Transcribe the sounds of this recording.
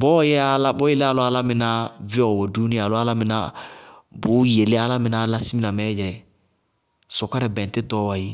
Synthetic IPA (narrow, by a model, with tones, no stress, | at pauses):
bɔ˦jɛ˦a˦la˦bɔ˦e˨le˦a˨lʊ˦a˦la˦mɪ˨na˦vɪ˦ɔ˨wo˨du˦nɪ˦˨a˨lʊ˦a˦la˦mɪ˨na˦ | bʊ˨˦je˨le˦a˨la˦mɪ̃˨na˦la˦si˦mi˦la˨mɛ˨˦d͡ʒɛ˨ | sɔ˨ka˦ɾɛ˨bɛ̃˨tɪ˦dɔ˦wa˨ji˦